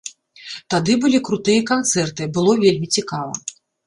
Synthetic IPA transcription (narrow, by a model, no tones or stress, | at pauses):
t̪ad̪ɨbɨlʲikɾut̪ɨjɐkant̪sɛrt̪ɨbɨlˠɔvʲelʲmʲit͡sʲikavɐ̰